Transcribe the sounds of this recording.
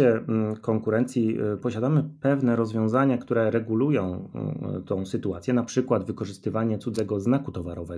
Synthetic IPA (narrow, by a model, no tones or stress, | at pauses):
ɛkɔŋkuɾɛnt̪sʲjipɔɕad̪amɘpɛvnɛɾɔzvʲjɔ̃zaɲakt̪uɾɛɾɛɡulujɔ̃w̃t̪ʰɔ̃w̃sɘt̪uat̪sʲjɛnapʂɘkwad̪vɘkɔʐɘst̪ɘvaɲɛt̪sud̪zɛɡɔznakut̪ɔvaɾɔvɛ